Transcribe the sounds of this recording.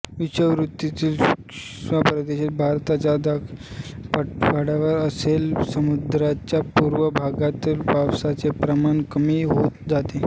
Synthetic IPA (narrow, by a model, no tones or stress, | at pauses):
ʋiɕəʋɾut̪ːit̪iːl | apɾəd̪eɕit̪̚bʱaɾt̪at͡ɕjad̪akppaɽaʋəɾəselsəmud̪ɾat͡ɕjapuːɾʋəbʱaɡat̪ilbawsat͡sepɾəmankəmiɦot̪̚d͡zat̪e